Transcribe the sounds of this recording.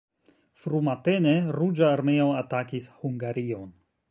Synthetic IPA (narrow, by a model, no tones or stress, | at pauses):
fɾumate̞ne̞ɾud͡ʒaːɾmeoatakishuŋɡaɾio̞n